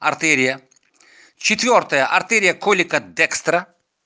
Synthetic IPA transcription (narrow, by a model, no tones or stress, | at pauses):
ɐrt̪ɛɾʲɪjɐ | t͡ɕɪt̪vʲort̪əjɐʔɐrt̪ɛɾʲɪjɐkolʲɪkɐd̪ɛkst̪ɾɐ